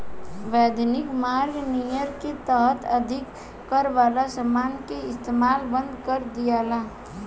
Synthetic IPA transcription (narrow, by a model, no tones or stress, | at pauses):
ʋɛːd̪nɪkmaːɾɡnijəɾket̪əɦət̪əd̪ʱɪkː | əɾʋaːlasəmaːnkeɪst̪eːmaːlbə̃nd̪kəɾd̪ijaːlaː